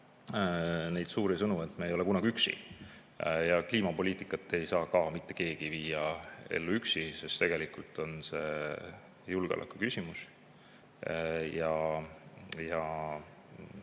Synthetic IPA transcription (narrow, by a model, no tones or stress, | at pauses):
ne̞jd̪suːɾisɤnue̞t̪ːˑmejo̞le̞kunɑɡ̥iyksḭ | jɑkliːmɑpo̞liːt̪ːˑikːˑɑt̪ːˑe̞jsɑːkɑːmit̪ːe̞̥ke̞ːɡ̥iviːjɑe̞̰lːuyksisest̪e̞ɡ̥e̞likult̪ˑo̞nse̞̰ | julɡeo̰lʔɑ̰kukysimus | jɑ | jɑ